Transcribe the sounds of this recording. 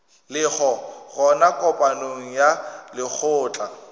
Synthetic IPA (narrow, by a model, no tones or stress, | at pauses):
lɪk͡xʰɔɣɔnakʼɔpʼanoŋ̩jalɪk͡xʰʊːt͡ɬʼa